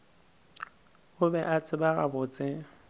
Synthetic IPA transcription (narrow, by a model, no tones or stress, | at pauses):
ʊbɛʔat͡sʼɪbaɣa̰bʊːt͡sʼɪ